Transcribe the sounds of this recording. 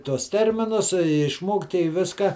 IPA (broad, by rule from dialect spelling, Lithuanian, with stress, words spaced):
tuɔs ˈtʲɛrʲmʲɪnʊs ɪ ɪʃˈmoːktʲɪ ɪ ˈʋʲɪskɐ